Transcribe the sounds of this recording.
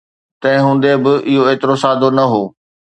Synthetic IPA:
t̪ɐ̃ɦɪ̃ɦũːn̆d̪ebɪʔɪɦoeːt̪ɪɾosaːd̪onɐɦoː

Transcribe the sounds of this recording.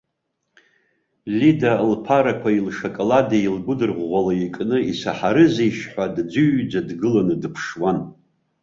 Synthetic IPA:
lidalpʰaɾakʷʰailʂakʼoladailɡʷʊdɨrʁʁʷalaikʼnɨisaħaɾɨzejʃħʷadd͡zʊɥd͡zadɡɨlanɨdɨpʰʂwan

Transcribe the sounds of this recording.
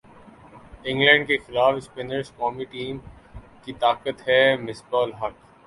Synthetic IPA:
ɪ̃ŋɡlɛ̃ːɳɖ̚kexɪlaːfɪspeːnəɾskɔːmiʈiːm | kit̪aːkət̪ɦɛmɪsbɔːlɦɐk

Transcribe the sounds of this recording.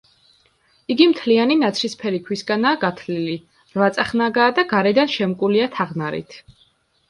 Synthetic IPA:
iɡimt̪ʰlianinat̪sʰɾispʰɛɾikʰwisɡanaːɡat̪ʰlili | ɾvat̪sʼaχnaɡaːd̪aɡaɾɛd̪anʃɛmkʼuliat̪ʰaʁnaɾḭt̪ʰ

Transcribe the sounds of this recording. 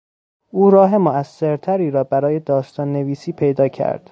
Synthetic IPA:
ʔuːɾɒːɦe̞moæsːe̞ɾt̪ʰæɾiːɾɒːbæɾɒːje̞d̪ɒːst̪ʰɒːnːe̞viːsiːpʰe̞jd̪ɒːcʰæ̰ɾd̪̥

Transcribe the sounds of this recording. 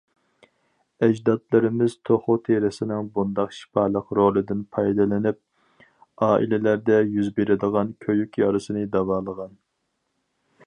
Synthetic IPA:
ɛd͡ʒd̪ɑt̪lˠɨɾɪmɪz̥t̪ʰoχʊt̪ʰeɾɪsɪnɪŋbund̪ɑqʃi̥pɑːlˠəqɾolˠɨd̪ɪnpʰɑjd̪ɨlˠɪnɪp̚ | ɑːʔḭlɪlæɾd̪ɛjyzbeɾɪd̪əʁɑnkʲʰøjykʲjɑɾɨsɨnɨd̪ɑwɑːlˠəʁɑn

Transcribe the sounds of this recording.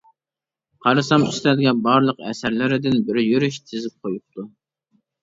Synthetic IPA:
qʰɑɾɨsɑmyslæd̪ɡʲɛbɑɾlˠəqɛ̰sæɾlɪɾɪd̪ɪnbɪɾjyɾyʃt̪ʰɪzɪp̚qʰojup̚t̪ʰu

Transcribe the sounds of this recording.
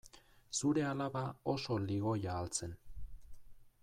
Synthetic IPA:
suɾe̞alaβao̞so̞liɣo̞jaːlt͡se̞n

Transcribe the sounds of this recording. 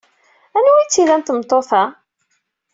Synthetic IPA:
ænwit͡sːiðænt̪mt̪ˤːoθæ

